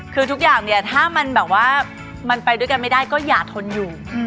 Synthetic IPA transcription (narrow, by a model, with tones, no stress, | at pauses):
kʰɯː˧t̪ʰu˦˥k̚jaː˨˩ŋni˥˩ɐt̪ʰaː˥˩ma˧nbɛː˨˩p̚waː˥˩ | ma˧npa˧jdu˥˩əjka˧nma˥˩jda˥˩jkɔː˥˩jaː˨˩k̚t̪ʰo˧njuː˨˩